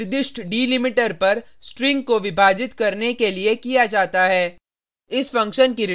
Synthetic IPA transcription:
ɾd̪ɪʃʈʰɖiːlɪmɪʈəɾpɐɾsʈɾɪ̃ŋɡkoʋɪbʱaːd͡ʒɪt̪kɐɾnekeliekijad͡ʒaːt̪aɦɛː | ɪsfɐ̃ŋkʃənkiɾɪ

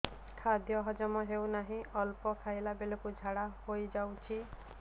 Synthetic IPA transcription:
kʰad̪jɔɦɔd͡ʒɔmɔɦewnaɦĩɔlpɔkʰajlabelɔkud͡ʒʱaɽahojd͡ʒawt͡ʃʰi

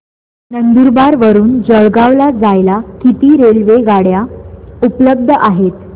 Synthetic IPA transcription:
nənd̪uɾbaɾʋəɾuːnd͡zəɭɡaʋlad͡zajlakit̪iːɾelʋeɡaɽjaupləb̚d̪ʱəʔaɦet̪

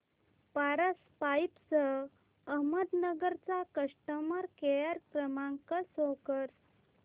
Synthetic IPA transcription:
paɾəspajpsə | əɦməd̪nəɡəɾt͡sakəʂʈəməɾkeɭaɾkɾəmãŋkəsokəɾ

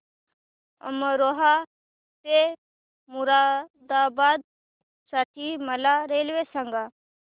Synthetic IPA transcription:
ɐ̰məɾoɦa | pe | muɾaːd̪aːbaːd̪̚ | saʈʰimɐlaɾeːlʋesəŋɡa

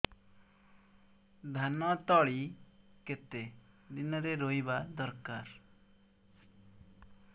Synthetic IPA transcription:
d̪ʱanɔt̪ɔɭiket̪e | d̪inɔɾeɾoibad̪ɔɾkaɾ

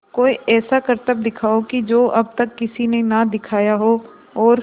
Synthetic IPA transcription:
koːiɛːsakəɾt̪əb̚d̪ɪkʰaːokid͡ʒoːʔɐb̚t̪ɐkːɪsinenad̪ɪkʰaːjaɦo | ɔːɾ

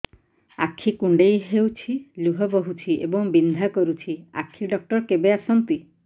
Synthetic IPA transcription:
a̰kʰːikuɳɖejɦewt͡ʃʰiluɦɔbɔɦut͡ʃʰiʔḛbɔŋbind̪ʱakɔɾut͡ʃʰia̰kʰiɖɔk̚ʈɔɾkebeasɔnt̪i

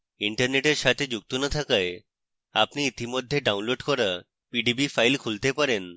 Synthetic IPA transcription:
iɳʈaɾneʈeɾʃat̪ʰed͡ʑuk̚t̪onat̪ʰakae | a̰pniit̪imod̪ʱːeɖawnloɖkɔɾa | piɖibifʰajlkʰult̪epaɾen

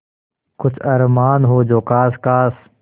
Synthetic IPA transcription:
kʊt͡ʃʰɐɾmaːnɦoːd͡ʒoːkaːskaːs

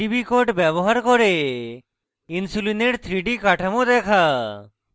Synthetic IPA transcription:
ibikoʈbɛbɔɦaɾkɔɾe | insulineʈt̪ʰɾiɖikaʈʰamod̪ɛkʰa

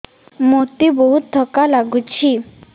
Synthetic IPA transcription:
mot̪ibɔɦut̪̚d̪ʱɔkalaɡut͡ɕʰi

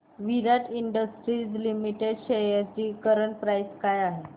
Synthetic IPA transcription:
ʋiɾaʈiɳɖəsʈɾid͡zlimiʈeɖɕeəat͡ɕiːkəɾəɳpɾajskajaɦe

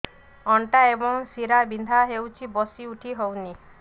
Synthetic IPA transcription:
ɔɳʈaebɔŋsiɾabind̪ʱaɦewt͡ʃʰibɔsiuʈʰiɦowni

